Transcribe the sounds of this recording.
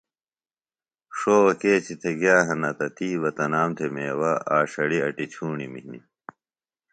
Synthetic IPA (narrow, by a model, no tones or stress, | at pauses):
ʂoːwɐkeːt͡ɕʰit̪ʰeɡjaːɦɐnɐt̪ɐt̪ʰiːwɐt̪ɐnaːmt̪ʰemeːwɐaːɕɐɽiɐʈit͡ɕʰuːɳimiɦnḭ